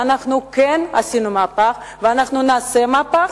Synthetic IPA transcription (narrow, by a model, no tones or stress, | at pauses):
anaχnukena̰sinumapaχ | veanaχnunaːsemapa